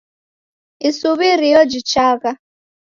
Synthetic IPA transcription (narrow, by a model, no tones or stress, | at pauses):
isuβiɾijɔd͡ʒit͡ʃaka